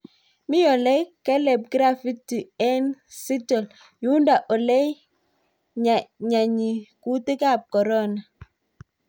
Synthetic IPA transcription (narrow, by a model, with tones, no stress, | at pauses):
mi˦jɔ˨lɛ˦jkɛ˦lɛ˨b̚ɡɾa˦fi˦tːi˨ɛ˦nsi˦tɔ˨l | ju˦nda˨ʔɔ˨lɛ˦j | ɲa˨ɲa˨ɲi˨ku˦te˦ka˦˨p̚kɔ˨ɾɔ˦na˨